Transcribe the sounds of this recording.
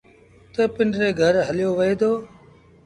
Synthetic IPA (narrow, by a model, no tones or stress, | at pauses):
t̪əpɪɳɖɾeːɡʱəɾɦəljoːʋəɦeːd̪oː